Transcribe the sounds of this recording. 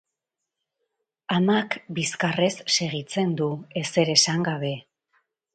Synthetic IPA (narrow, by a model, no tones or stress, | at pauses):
amakbiskare̞sːe̞ɣ̞it͡se̞nd̪ue̞se̞ɾe̞saŋɡaβe̞